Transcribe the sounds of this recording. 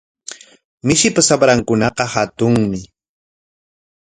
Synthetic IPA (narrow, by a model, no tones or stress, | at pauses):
mɪʃɪpasabɾaŋkʊnɑqɑhat̪ʊŋmɪ